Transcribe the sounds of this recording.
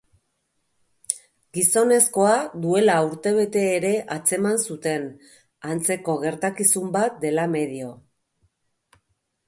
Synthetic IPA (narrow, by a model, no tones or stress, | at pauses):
ɡiso̞ne̞sko̞ad̪ue̞lauɾt̪e̞β̞e̞t̪e̞ːɾe̞ʔat͡se̞mansut̪e̞n | ant͡se̞ko̞ɣ̞e̞ɾt̪akisumbat̪̚d̪e̞lame̞ðio̞